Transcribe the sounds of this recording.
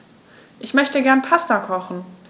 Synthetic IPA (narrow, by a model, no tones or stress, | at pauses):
ʔɪçmœçtəɡɛɐnpʰastakʰɔχn̩